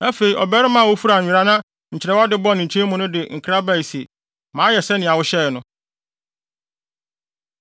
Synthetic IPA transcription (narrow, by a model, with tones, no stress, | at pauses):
a˦fe˨i˨ʔɔ˨bɛ˦ɾɪ˦mã˨wo˦fu˦ɾa˨ɪ̃˨ɾa˦nã˦ | ɲ̩˨t͡ɕʰɪ˨ɾɛ˦wa˦dɪ˦bɔ˦nɪ̃˨ɲ̩˨t͡ɕʰẽ˦mʊ̃˨nʊ̃˦dɪ˨ŋ̩˨kʰa˦ba˦˨i˨se˨ | mãː˨˦jɛ˨sɛ˦nɪ̃˨a˨wʊ˦ɕɛ˦˨nʊ̃˦